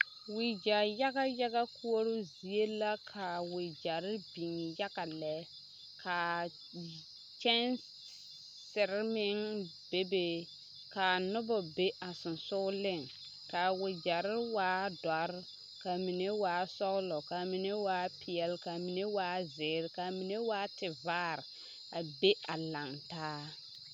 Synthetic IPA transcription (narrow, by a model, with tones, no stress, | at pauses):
wɪ˨d͡ʒa˨ja˦ɣa˦ja˦ɣa˦kʰu˦o˦ɾʊ˦zi˨e˦la˦kʰa˨wɪ˨d͡ʒa˨ɾɪ˦bi˨ŋja˦ɡa˨lɛ˨ | kʰa˨ | t͡ʃɛ˦n | sɪ˨ɾɪ˦mɪ˦ŋ | b̥e˦be˨ | ka˨nʊ˦bɔ˨be˦ʔa˨sʊ˨nsʊ˦lɪ˦˨ŋ | ka˨wʊ˨d͡ʒa˨ɾɪ˦waː˨˦da˨ɾ | ka˨mi˨ne˦waː˨˦sɔ˦ɣlɔ˨ka˨mi˨ne˦waː˦pʰɪ˨ɛ˨lka˨mi˨ne˦waː˨˦zɪ˨˦ɾka˨mi˨ne˦waː˦tɪ˨vaː˦˨ɾ | a˨be˦a˨la˨ŋtaː˦